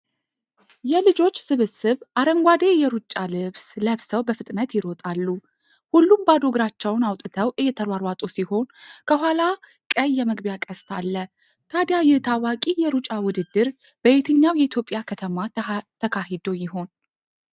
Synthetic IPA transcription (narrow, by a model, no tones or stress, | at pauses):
jɛlɨd͡ʒo̞t͡ʃːsɨβɨsɨβʔaɾəŋɡʷad̪e̞jɛɾut͡ʃʼːalɨβsləβsəwbəfɨt̪ʼnət̪jɪɾo̞t̪ʼalːu | hulːumbad̪o̞ɡɾat͡ʃːɛwnawt̪ʼɨt̪ʰəwʔɨjːɛt̪ʰəɾwaɾwat̪ʼosiho̞nkʰəɦʷala | kʼəjːɛməɡbjakʼəst̪ʰalːə | t̪ʰad̪jajɪht̪ʰawakʼijɛɾut͡ʃʼawʊd̪ɨd̪ːɨɾ | b̥əet̪ʰɨɲːawjɛit̪jo̞pʼjakʰət̪ʰəmat̪ʰəkʰaɦɪd̪o̞jɪɦo̞n